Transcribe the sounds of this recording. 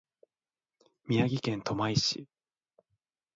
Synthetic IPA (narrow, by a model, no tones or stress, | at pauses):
mʲiaɡʲikẽ̞nt̪o̞maiɕḭ